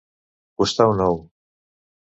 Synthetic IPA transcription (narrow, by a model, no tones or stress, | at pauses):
kust̪awnow